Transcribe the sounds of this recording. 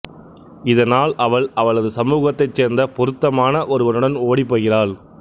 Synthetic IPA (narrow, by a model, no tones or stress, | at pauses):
ɪðɐnaːlɐʋɐɭɐʋɐɭɐðɯsɐmuːɣɐt̪ːɐɪt͡ʃːeːɾnd̪ɐpɔɾɯt̪ːɐmaːnɐʔɔɾɯʋɐnɯɽɐnoːɽipːoːɣɪɾaːɭ